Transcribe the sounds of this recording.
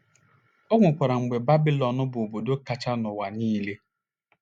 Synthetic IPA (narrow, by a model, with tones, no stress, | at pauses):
ɔ˦ŋʷʊ˨kʷa˨ɾa˨ŋ͡m̩˨ɡ͡be˨ba˦bi˦lɔ˨nʊ˦bʊ˨o˨bo˨do˦ka˨t͡ʃa˦nʊ˨wa˨niː˦le˦